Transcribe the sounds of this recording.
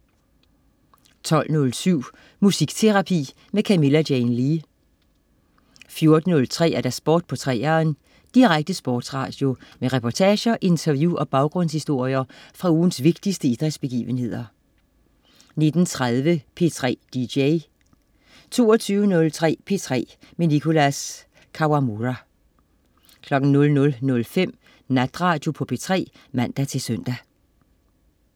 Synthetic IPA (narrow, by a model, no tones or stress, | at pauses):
t͡sʰɒ̽l̰nɔ̽lsyʊ̰ | musiɡ̥t͡sʰe̝ʁɑ̈pʰḭː | mekʰæme̝læd̥jeɪnliː | fjo̝ɐd̥n̩ːɔ̽lt͡sʰʁɛ̰ːæɐd̥æsb̥ɔ̰ːd̥̚pʰɒ̽t͡sʰʁɛ̰ːɐːn | d̥iʁaɡ̥̚d̥əsb̥ɔːd̥sʁɑ̰̈ːd̥jo̝meʁɛpʰɒt͡sʰɛːɕɐʔe̝nt͡sʰɐʋjuʔɒ̽b̥ɑ̈ʊɡ̥ʁɔ̽n̰shisd̥o̝ɐ̰iɐfʁɑ̈uːn̩sʋe̝ɡ̥̚d̥isd̥əid̥ʁɛd̥sb̥e̝ɡ̥ḭːʋənhe̝ð̰ˠɐ | ne̝d̥n̩t͡sʰʁað̞ˠʋəpʰe̝t͡sʰʁɛ̰ːd̥ieɪ | t͡sʰo̝̰ːɒt͡sʰyːʊənɔ̽lt͡sʰʁɛ̰ːpʰe̝t͡sʰʁɛ̰ː | menikʰo̝læs | kʰɑ̈ʊɑmuʁæ | kʰlɒ̽ɡ̥n̩nɔ̽lnɔ̽lnɔ̽lfem̰ | næd̥ʁɑ̈ːd̥jo̝pʰɒ̽pʰe̝̰ːt͡sʰʁɛ̰ː | mæn̰d̥æt͡sʰe̝sœn̰d̥æ